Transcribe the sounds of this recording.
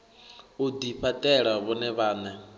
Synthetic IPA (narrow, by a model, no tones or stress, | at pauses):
ud̪iɸʰatʼɛɺaβɔnɛβaːna